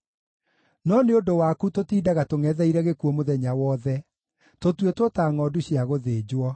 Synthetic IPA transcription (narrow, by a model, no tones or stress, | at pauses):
nɔneodowaːkutotiːdaɣatoŋɛðɛiɾɛɣekuɔmoðɛɲawɔðɛ | totwetwotaːŋɔduɕjaɣoðeːd͡ʑwɔ